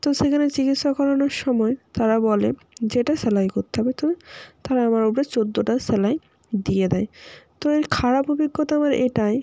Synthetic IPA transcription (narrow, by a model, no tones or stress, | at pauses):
t̪oʃekʰanet͡ɕikit̪ʃakːɔɾoneɾʃɔmɔet̪aɾabɔlḛ | d͡ʑeʈasɛlajkoɾt̪ːeɦɔbet̪ɔbet̪aɾaamaɾopɾet͡ɕod̪ːoʈasɛlaj | d̪ijed̪ɛet̪oeɾkʰaɾapubikːot̪aamaɾeʈae